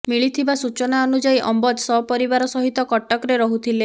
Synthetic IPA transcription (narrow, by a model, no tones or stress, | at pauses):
miɭit̪ʰibasut͡ʃɔnaɔnud͡ʒaiʔɔmbɔd̪sɔpɔɾibaɾɔsɔɦit̪ɔkɔʈɔkɾeɾɔɦut̪ʰile